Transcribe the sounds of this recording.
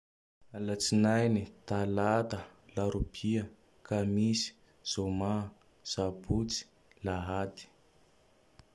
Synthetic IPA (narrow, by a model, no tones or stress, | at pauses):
alat͡sinajnit̪alat̪əlaɾupʰiə | kamisi̥ | z̥oma | z̥abut͡si̥ | laɦat̪i̥